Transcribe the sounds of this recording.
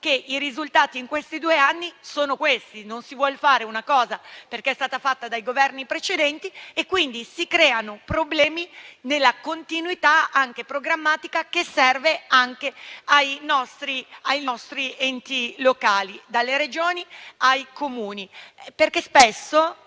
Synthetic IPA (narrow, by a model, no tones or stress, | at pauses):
keʔiɾizult̪aːt̪iːŋkwest̪id̪uːeanːisoːnokwest̪inonsivwɔlfaːɾeunakɔːzaperkeɛst̪aːt̪afat̪ːad̪ajɡovɛrnipɾet͡ʃed̪ɛnt̪iekːwind̪isikɾɛːanopɾoblɛːminelːakont̪inwit̪aaŋkepɾoɡɾamːaːt̪ikakesːɛrveaŋkeajnɔst̪ɾiajnɔst̪ɾiɛnt̪ilokaːlid̪alːeɾed͡ʒoːniajkomuːniperkespesːo